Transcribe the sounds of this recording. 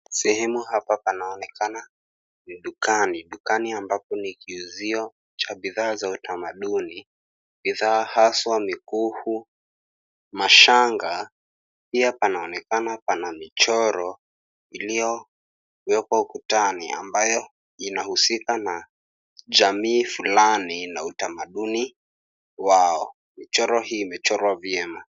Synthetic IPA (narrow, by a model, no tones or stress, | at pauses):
sɛhɛmuɦapapanaɔnɛkana | niɗukaniɗukaniambap̚ɔnikiuziɔ | t͡ʃaɓiðaːzautamaɗuni | ɓiðaːhaswamikuhu | maʃaŋɡa | piapanaɔnɛkanapanamit͡ʃɔɾɔ | ilijɔ | wɛkwaukutania̰mbajɔ | inahusikana | ʄamiːfulaninautamaɗuni | waɔ | mit͡ʃɔɾɔhiːmɛt͡ʃɔɾwavjɛma